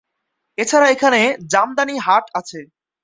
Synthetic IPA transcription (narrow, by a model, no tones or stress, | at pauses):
et͡ɕʰaɾaekʰaned͡ʑamd̪aniɦaʈat͡ɕʰe